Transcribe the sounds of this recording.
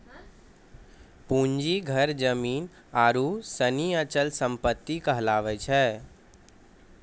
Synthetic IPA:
pũɲd͡ʒiɡʱəɾd͡ʒəmiːn | aːɾusəniət͡ʃəlsəmpət̪ːikəɦlaːʋɛt͡ʃʰɛː

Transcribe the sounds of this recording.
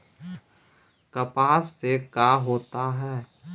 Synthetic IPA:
kɐpaːsːekaːɦoːt̪aɦɛː

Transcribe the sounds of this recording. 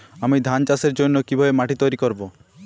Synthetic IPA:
amid̪ʱant͡ʃaseɾd͡ʒonːokibʱɔbemaʈit̪ɔjɾikɔɾbo

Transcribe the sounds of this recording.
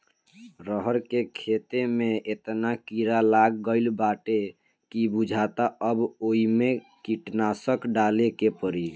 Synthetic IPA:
ɾəɦəɾkekʰet̪emeet̪nakiɾalaɡːəɪlbaʈe | kibud͡ʒʱat̪aəboimekiʈnasəkɖalekepəɾi

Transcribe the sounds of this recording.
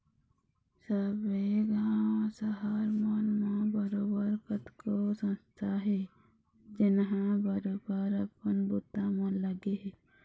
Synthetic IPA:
səbeɡɦãsəɦaːɾmanmãbəɾoːbəɾkət̪kosə̃mst̪ʰaɦɛ | d͡ʒɪnɦãbəɾoːbəɾəpənbut̪ãmãləɡeɦɛ

